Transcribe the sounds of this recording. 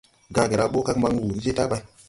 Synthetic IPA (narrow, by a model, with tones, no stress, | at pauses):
ɡã˦ɡe˨ɾa˦ɓo˦ka˦kma˦ŋ˦wu˨n̩˦d͡ʒe˦ta˦ba˦i˦